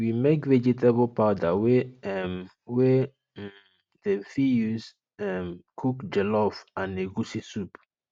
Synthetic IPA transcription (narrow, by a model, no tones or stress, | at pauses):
wimekvɛd͡ʒitʰabɔlpaʊdawɛɛm | wɛ | defijuz | ɛmkʰukd͡ʒɛlɔfãneɡusisup